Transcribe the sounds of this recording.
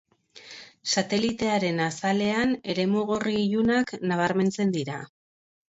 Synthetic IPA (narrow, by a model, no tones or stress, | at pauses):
sat̪e̞lit̪e̞aɾe̞nasale̞ane̞ɾe̞muɣ̞oriːʎunaknaβ̞aɾme̞nt͡se̞nd̪iɾa